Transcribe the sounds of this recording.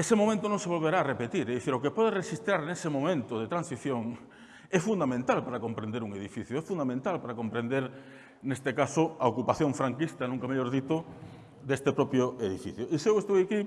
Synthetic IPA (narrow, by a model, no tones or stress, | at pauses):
esemomẽnt̪onõŋseβolβeɾaːrepet̪iɾɛðiθiɾokepɔðeresist̪ɾaɾnesemomẽnt̪ʊðet̪ɾansiθjoŋ | ɛfund̪amẽnt̪alpaɾakompɾẽnd̪eɾuŋeðifiθjoɛfund̪amẽnt̪alpaɾakompɾẽnd̪eɾ | nest̪ekasʊaokupaθjoɱfɾaŋkist̪anũŋkameʎoɾðit̪ʊ | d̪est̪epɾɔpjʊeðifḭθjoisewest̪ojaki